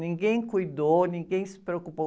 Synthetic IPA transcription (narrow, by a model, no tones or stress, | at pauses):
nĩɡẽj̃kujd̪ownĩɡẽj̃sɪ̥pɾeokupo